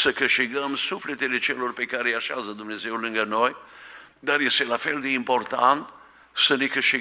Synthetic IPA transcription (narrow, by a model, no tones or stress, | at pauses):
səkɨʃt̪iɡəmsuflet̪elet͡ʃelorpekaɾejaʃazəd̪umnezeulɨŋɡənoj | d̪arjest̪elafeld̪eimport̪ant̪ | sənekɨʃt̪i